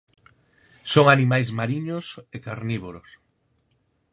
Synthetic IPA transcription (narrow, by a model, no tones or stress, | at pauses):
soŋanimajzmaɾiɲosekaɾniβoɾos